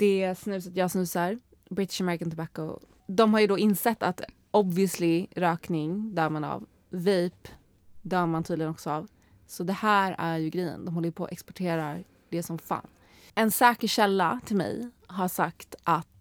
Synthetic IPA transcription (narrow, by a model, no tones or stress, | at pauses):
d̪̥ɛsnʉ̟ːs̬at̪jɑːsnʉ̟ːsaɾ | bɾɪt̪ɪ̥ʂamɛɾɪkant̪ʰbako̰ | d̪ɔmɦaɾjɵd̪ɔɪnsɛt̪ːat̪ | ʔɔbvɪəslɪɾœːknɪŋd̪œːɾmana̰v | viːp | d̪œːmant̪ʰyːd̪lɪɡənɔksɔav | sɔd̪ɛhæːɾæɾjɵɡɾɛjə̰nd̪ɔmhɔlːjəpʰɔ̰ʔɛ̰kspɔʈʰeːɾaɾ | d̪ɛsɔmfa̰ːn | ɛnsɛːkəɕɛlːat̪ʰɪlmɛ̰j | ɦaʂakt̪ʔat̪